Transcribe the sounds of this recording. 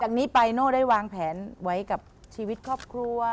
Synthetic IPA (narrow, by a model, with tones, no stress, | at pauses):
t͡ɕaː˨˩k̚niː˦˥pa˧jnoː˥˩daː˥˩jwaː˧ŋpʰɛː˩˦nwa˦˥jka˨˩p̚t͡ɕʰiː˧wi˦˥t̪̚kʰɔː˥˩p̚kʰɾu˧ɐ